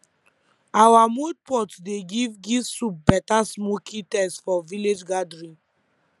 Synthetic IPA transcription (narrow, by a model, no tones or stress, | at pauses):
awamod̚pɔtdeɡivɡisup̚bɛtasmokʰĩtɛsfɔviled͡ʒɡadɹĩ